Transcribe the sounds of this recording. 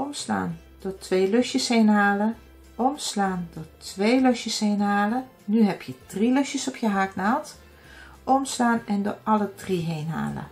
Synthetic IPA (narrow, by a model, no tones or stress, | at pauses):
ɔmsla̰ːn | d̥oːtʰʋeːløʃjəshejnɦaːlə | ʔɔmslaːndʊːɹtʋeːjløʃjəshejnɦaːlə | nyɦɛpjəd̥riløʃjəsɔpʰjəɦaːknaːlˠt | ʔɔmslaːnɛndʊ̰ːɹʔɑlədriɦejnɦa̰ːlə̰